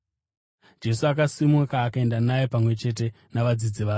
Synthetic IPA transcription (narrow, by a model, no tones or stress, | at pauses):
d͡ʒe̞suakasimakaːkae̞ndanajepamwe̞t͡ʃe̞t̬e̞ | naʋad͡zid͡ziʋaː